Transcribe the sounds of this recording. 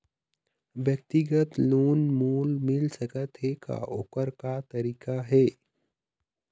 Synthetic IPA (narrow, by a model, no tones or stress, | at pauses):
ʋjək̚t̪ɪɡət̪luːnmuːlmɪlsəkət̪ɦeka̰ʊkəɾkat̪ɐɾiːkaɦɛː